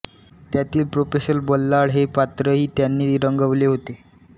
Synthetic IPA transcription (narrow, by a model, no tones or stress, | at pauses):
t̪jat̪iːlpɾofeɕəlbəlːaɽɦepat̪ɾəɦiːt̪janːiːɾəŋɡəʋleɦot̪e